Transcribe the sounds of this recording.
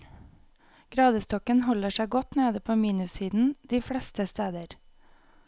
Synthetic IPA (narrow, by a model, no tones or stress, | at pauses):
ɡ̥ɾɑːd̪əst̪ɔkənhɔləʃæɪɡɔt̪neːd̪əpʰoːmiːnʉshiːd̪n̩d̪̥iːfɽɛst̪əst̪eːd̪əɾ